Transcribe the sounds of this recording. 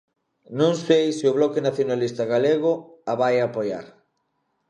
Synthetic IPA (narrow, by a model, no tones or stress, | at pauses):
nõŋsejsɪʊβlɔkenaθjonalist̪aɣaleɣʊaβajapoja̰ɾ